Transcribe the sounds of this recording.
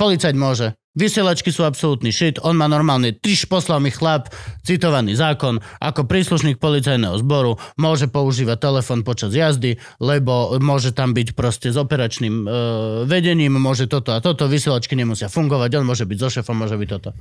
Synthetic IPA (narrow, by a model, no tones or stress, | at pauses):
pɔlit͡sajmʊɔʒɛ | ʋisɪɛlat͡ʃkisuːapsɔlut̪niʃit̪ɔnmaːnɔɾmaːlɲɛt̪ɾiʃpɔslalmixlapt͡sit̪ɔʋaniːzaːkɔnʔa̰kɔpɾiːsluʃniːk̚pɔlit͡sajnɛɦɔ̰zbɔɾumʊɔʒɛpɔuʒiːʋac̚t̪ɛlɛfɔːnpɔt͡ʃazjazd̪i | lɛbɔmʊɔʒɛt̪ambicpɾɔscɛzɔpɛɾat͡ʃniːmʋɛɟɛɲiːmmʊɔʒɛt̪ɔt̪ɔat̪ɔt̪ɔʋisɪɛlat͡ʃkiɲɛmusɪafuŋɡɔʋaɟɔnmʊɔʒɛbiɟzɔʃɛːfɔmːʊɔʒɛbic̚t̪ːɔt̪ɔ